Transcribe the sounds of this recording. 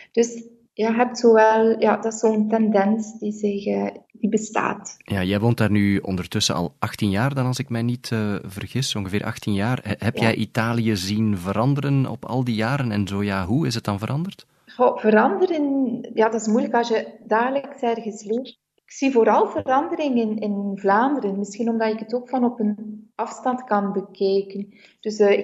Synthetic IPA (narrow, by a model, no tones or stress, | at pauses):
d̥ɵs | jaɦɛp̚tsoːʋɛlˠja̰ːdɑsoːəntɛndɛnsdizɪxd̥ibəsta̰ːtjaːjɛjʋoːntaːrnyɔ̰ndərtʏsə̰ʔɑ̰lˠʔɑxtinjaːrdɑnɑlˠzɪkmɛjnitəvərɣɪsɔŋɣəvɪːʔɑ̰xtinjaːrɦɛpjjɛjʔitaːlijəzinvəɾɑndəɾənɔ̰pɑ̰lˠdijaːɾənɛnzoːjaːɦuɪsɦət̚dɑnvəɾɑndərt | xovəɾɑndəɾənjaːdɑɪsmujləkɑsjədaːdələksɛrɣəsleːr | ɪksivoːɾɑlˠvəɾɑndəɾɪŋənɪnvlaːndəɾənmɪsxinɔmdɑtɪkətoːkfɑnɔpənɑfstɑntkɑnbəkɛːkən | d̥ɵsɪ